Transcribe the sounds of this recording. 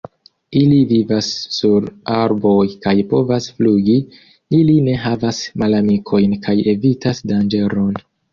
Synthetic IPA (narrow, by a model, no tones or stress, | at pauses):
ilivivasːuɾaɾbo̞jkajpo̞vasfluɡi | iline̞ɦavasmalamikʰo̞jnkʰaje̞vitasdand͡ʒe̞ɾo̞n